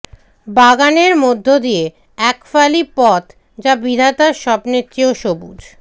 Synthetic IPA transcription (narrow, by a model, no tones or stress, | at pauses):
baɡaneɾmod̪ʱːod̪ije | ɛkfalipɔt̪ | d͡ʑabid̪ʱat̪aɾʃɔbnet̪ːɾioʃobud͡ʑ